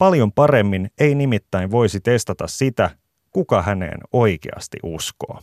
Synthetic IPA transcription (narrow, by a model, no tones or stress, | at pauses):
pɑljo̞mpɑɾe̞mːineinimit̪ːæinʋo̞jsit̪e̞st̪ɑt̪ɑssit̪æ | kukɑhænḛːno̞jkḛɑ̰st̪ḭʔusko̞̰ː